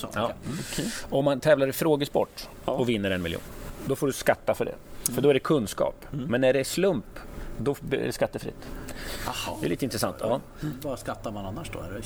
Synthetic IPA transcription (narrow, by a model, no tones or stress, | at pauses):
ɑːkʰɔmːant̪ʰɛːvlaɾfɾoːɡəspɔ̰ʈː | ɔvɪnːəɾɛnmɪljṵːnd̪ɔfoːɖɵskat̪ːafœɖɛ̰fœɖɔæɖɛkʰɵnːskɑ̰ːpmɛnːæɖɛʂlɵmpd̪ɔb̰skat̪ːəfɾɪ̰t̪ːddɛ̰liːt̪əɪnt̪ɾɛsant̪ʰːɑː | bɑskat̪ːaɾmananːaʂd̪ɔ̰ɛ